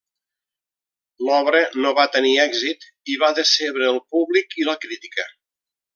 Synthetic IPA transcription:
lɔβɾənoβat̪əniɛɡzit̪ | iβaðəseβɾəːlˠpuβlikiləkɾit̪i̥kə

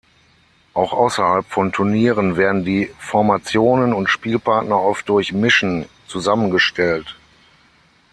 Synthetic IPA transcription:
ʔaʊxʔaʊsɐhalpfɔntʰʊɐniːʁ̞ənveːɐdn̩diːfɔɐmat͡sjoːnənʊntʃpiːlpaɐtnɐʔɔft̚d̥ʊɐçmɪʃn̩ | t͡suzamənɡəʃtɛlt

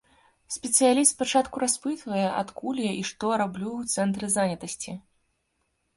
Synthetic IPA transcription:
sʲpʲɛt̪sɨjalʲist̪pat͡ʂat̪kuɾaspɨt̪vɐjɛʔa̰t̪kulʲjaʔiʂt̪ɔɾablʲuwt̪sɛnt̪ɾɨzanʲɐt̪ɐsʲt͡sʲi

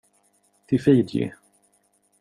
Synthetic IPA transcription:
t̪ʰɪfiːd̪jɪ̰

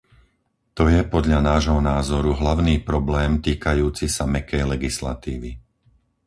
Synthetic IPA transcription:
t̪ɔjɛpɔd̪ʎanaːʒɦɔnaːzɔɾuɦlaʊniːpɾɔblɛːmt̪iːkajuːt͡sisamɛkɛjlɛɡisla̰t̪iːʋi

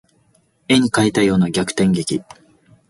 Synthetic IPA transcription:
e̞ɲ̟ikait̪ajo̞ːnaɡʲakɯ̟̥t̪ẽ̞ŋɡe̞kʲi

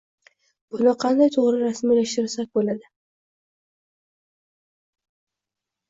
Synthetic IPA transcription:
b̥ʊnaqʰɑnd̪ajt̪ʰoʁɾɪɾasmilaʃt̪ɪɾsak̚ʲbolad̪ɪ

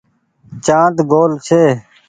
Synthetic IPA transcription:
t͡ʃãːt̪ɡoːlt͡ʃʰeː

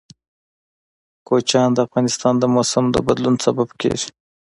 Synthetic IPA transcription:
kot͡ʃɑnd̪əafɣɑnɪst̪ɑnd̪əmosəmd̪ə̰bad̪lunsababkḛʒi̥

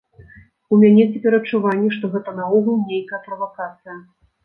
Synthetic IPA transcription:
umʲanʲɛt͡sʲɛpʲɛɾɐt͡ʂːuvanʲːɛʂt̪ɔɣɛt̪ɐnɐɔɣulʲˠnʲejkɐjɐpɾɐvakat̪sɨjɐ

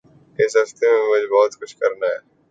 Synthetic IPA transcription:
ɪsɦɐst̪emẽmʊd͡ʒʱebɔːt̪xʊʃʰkɐɾnaɦɛː

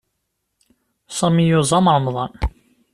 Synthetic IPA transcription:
sɑmijʊzˤɑmɾˤəmðˤɑn

